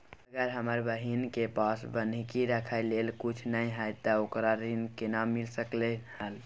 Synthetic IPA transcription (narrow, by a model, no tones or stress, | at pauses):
əɡəɾɦəməɾbəɦinkepasbənkiɾəkʰəɪlelkut͡ʃʰnəjɦəjt̪əokɾaɾinkenamilsəklehəl